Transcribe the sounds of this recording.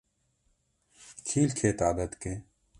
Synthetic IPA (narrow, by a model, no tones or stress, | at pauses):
kʰiːlkʰeːt̪aːd̪ət̪keː